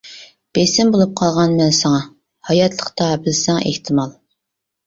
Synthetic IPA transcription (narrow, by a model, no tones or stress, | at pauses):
b̥esɪmbolˠup̚qʰɑlˠʁɑnmɛnsɑŋɑ | hɑjɑt̪ʰlˠəqt̪ɑbɪlsɪŋɛ̰ʔeht̪ʰɪmɑlˠ